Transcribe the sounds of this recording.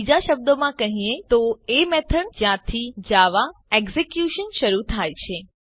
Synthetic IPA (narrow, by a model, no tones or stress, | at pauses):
id͡ʒaʃəb̚d̪omãkəɦĩẽt̪oemɛt̪ʰəɳd͡ʒjãt̪ʰid͡ʒaʋaɛɡzekjuʃənʃəɾut̪ʰajt͡ʃʰe